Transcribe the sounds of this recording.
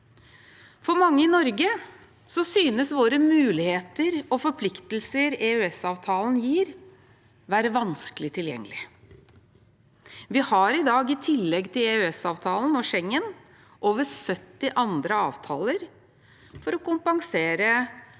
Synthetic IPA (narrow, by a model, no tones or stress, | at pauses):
fɔɾmɑŋːəɪnɔɾɡə | sɔsyːnəsʋoːɾəmʉːlɪheːt̪əɾɔfɔɾpʰlɪkt̪əl̩səɾeːʉɛsɑːʋt̪ʰɑːln̩jiːɾ | ʋæːɾəʋɑnskəlɪt̪ʰɪljɛ̰ŋːəlɪ̰ | ʋɪhɑɾɪd̪ɑːɡɪt̪ʰɪlːɛɡt̪ʰɪleʉɛsɑːʋt̪ʰɑːln̩ɔʃɛŋːən | ʔoːʋəsœt̪ːɪʔɑnd̪ɾəɑːʋt̪ʰɑ̰ːləɾ | fɔɾɔkʊmpɑŋseːɾə